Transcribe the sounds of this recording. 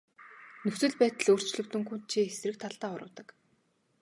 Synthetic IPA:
nɵxsɘ̆ɮpæːt̪ə̆ɮoːr̥t͡ɕɮɵ̆kt̪ɵ̆ŋkun̥t̪̚t͡ɕʰiːesrɘ̆k̚t̪ʰaɮt̪aːʊ̰ɾə̰̆ːwt̪ə̆k

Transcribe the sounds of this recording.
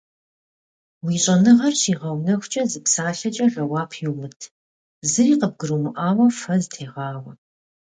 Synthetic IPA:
wiːɕʼɐnɨʁɐrɕiːʁɐwnɐxʷʊt͡ʃʼɐzɨpsaːɬɐt͡ʃʼɐrɐwɑːpʰjuwmɨtʰ | zɨɾiːqəb̚ɡɨɾɨmɨʔaːwɐfɐzɨtʰeːʁɑːwʷɐ

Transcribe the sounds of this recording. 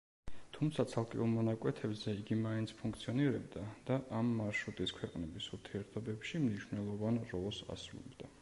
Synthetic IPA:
t̪ʰumt̪sʰat̪sʰalˠkʼɛ̰ulˠmɔnakʼwɛt̪ʰɛbzɛiɡimaint̪sʰpʰũŋkʰt̪sʰiɔniɾɛbd̪ad̪̥aʔamːaɾʃɾut̪ʼiskʰwɛqʼnɛbisuɾt̪ʰiɛɾt̪ʰɔbɛpʃimniʃvnɛlˠɔvanɾɔlˠsa̰sɾṵlɛ̰bd̪̥a

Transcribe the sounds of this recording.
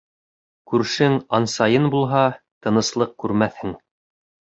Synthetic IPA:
kʉɾʃɘŋɑnsɑjɤnbulˠɦɑ | t̪ɤ̆nɤ̆slˠɤq̚kʉɾmæθhɘŋ

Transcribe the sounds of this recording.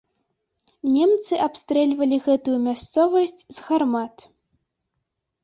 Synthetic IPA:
nʲɛmt̪sɨʔapst̪ɾɛlʲvɐlʲiɣɛt̪ujumʲast̪sɔvɐsʲt͡sʲzɣarmat̪

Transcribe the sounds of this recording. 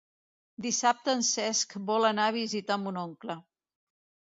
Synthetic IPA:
d̪isap̚t̪əːnsɛskbɔlənaβizit̪ambunɔŋklə

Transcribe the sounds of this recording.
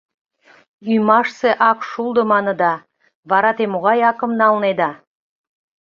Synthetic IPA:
yjmɑʃseʔɑkʃulˠd̪ə̆mɑnə̆d̪ɑ | βɑɾɑt̪emoɣɑjɑkə̆mnɑlned̪ɑ

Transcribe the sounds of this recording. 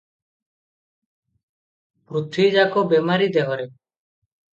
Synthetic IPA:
pɾut̪ʰid͡ʒakɔbemaɾid̪eɦɔɾe

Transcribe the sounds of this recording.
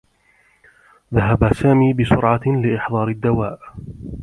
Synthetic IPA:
ðaɦabasaːmiːbɪsʊɾʕɑlɪʔɪħðˤɑːɾɪd̪ːawaːʔ

